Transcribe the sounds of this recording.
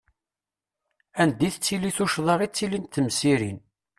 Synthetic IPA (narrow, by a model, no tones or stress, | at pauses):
ænd̪iθt͡sːiliθuʃðˤɑʁit͡sːilint̪ːəmsiɾin